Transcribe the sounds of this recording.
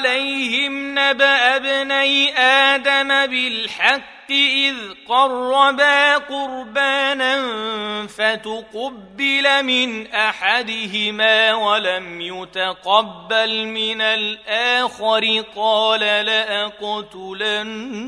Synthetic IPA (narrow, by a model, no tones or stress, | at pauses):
lajhɪmnabaʔabnajʔaːd̪amabɪlħɑqːɪʔɪðqɑrˤːɑbaːqʊɾbaːnanfat̪ʊqɑbːɪlamɪnʔaħad̪ɪɦɪmaːwalamjʊt̪aqɑbːalmɪnalʔaːxaɾɪqɑːlalaʔaqʊt̪ʊlan